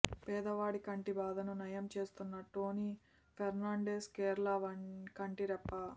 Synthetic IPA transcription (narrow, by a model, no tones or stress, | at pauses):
pɛːd̪ɐʋaːɽikɐɳʈibaːd̪ɐnunɐjɐmt͡ʃe̞ːst̪unːɐʈoːni | pʰɛɾnaːɳɖeːskeːɾlɐʋɐkɐɳʈiɾɛpːɐ